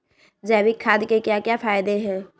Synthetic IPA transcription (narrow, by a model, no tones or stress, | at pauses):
d͡ʒɛːbikʰaːd̪kekjakjapʰaːɪd̪eɦɛː